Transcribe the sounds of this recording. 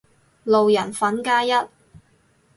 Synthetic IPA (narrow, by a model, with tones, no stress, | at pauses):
lo˨wjɐ˨˩nfɐ˨˥nkaː˥jɐ˥t̚